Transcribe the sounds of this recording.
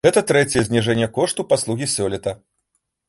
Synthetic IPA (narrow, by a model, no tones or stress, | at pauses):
ɣɛt̪ɐt̪ɾɛt͡sʲɛjɛzʲnʲiʐɛnʲːɐkɔʂt̪upaslˠuɣʲisʲɔlʲɛt̪ɐ